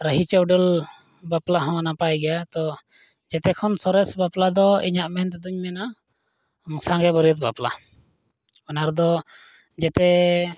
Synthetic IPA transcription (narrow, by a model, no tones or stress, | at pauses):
ɾəɦit͡ʃɔwɖəl | baplaɦɔ̃napajɡɛjat̪ɔ | d͡ʒɛt̪ɛkʰɔnsɔɾɛsbaplad̪ɔḭɲaʔmɛnt̪ɛd̪uɲmɛna | ŋsãŋɡɛbɔɾjət̪̚bapla̰ | ɔnaɾd̪ɔ | d͡ʒɛt̪ɛ